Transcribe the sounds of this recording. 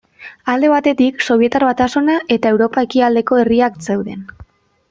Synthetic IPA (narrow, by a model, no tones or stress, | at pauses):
ald̪e̞β̞at̪e̞t̪ikso̞β̞ie̞t̪aɾβat̪asunaʔe̞t̪ae̞wɾo̞pae̞kiald̪e̞ko̞e̞riakse̞wðe̞n